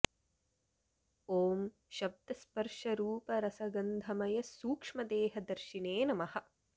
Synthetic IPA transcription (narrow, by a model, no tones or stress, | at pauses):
oːm | ʃɐb̚d̪ɐspɐɾʂɐɾuːpɐɾɐsɐɡɐnd̪ʱɐmɐjɐsuːkʂmɐd̪eːɦɐd̪ɐɾʃineːnɐmɐhɐ̆